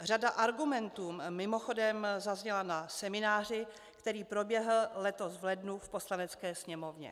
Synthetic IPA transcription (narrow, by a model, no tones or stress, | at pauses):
r̝adaʔaɾɡumɛnt̪uːmːɪmo̞xo̞dɛmzazɲɛlanasɛmɪnaːr̝ɪ | kt̪ɛɾiːpɾo̞bjɛɦl̩lɛt̪osvlɛdnufpo̞slanɛt͡skɛːsɲɛmo̞vɲɛ̰